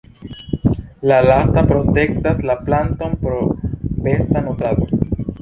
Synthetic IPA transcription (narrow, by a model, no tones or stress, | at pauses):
lalastapɾo̞te̞k̚taslaplanto̞npɾobe̞stanotado